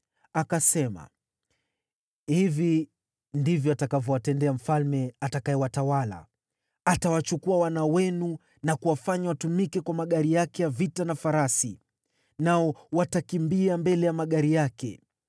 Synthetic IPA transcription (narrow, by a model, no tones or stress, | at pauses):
akasɛma̰ | hivi | ndivjɔatakavjɔwatɛndɛam̩falmɛatakaɛwatawala̰ | atawat͡ʃukuawanawɛnu | nakuwafaɲawatumikɛkwamaɠaɾijakɛjavitanafaɾasi | naɔwatakimbiambɛlɛjamaɠaɾijakɛ̰